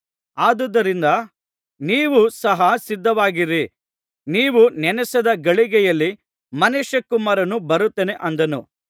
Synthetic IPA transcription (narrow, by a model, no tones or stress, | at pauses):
aːd̪ud̪ɐɾind̪ɐ | niːʋusɐɦɐsid̪ːɐʋaːɡiɾi | niːʋunɛnɛsɐd̪ɐɡɐɭiɡɛjɐlːi | mɐneʃɐkːumaːɾɐnubɐɾut̪ːeːne̞ʔɐnd̪ɐnṵ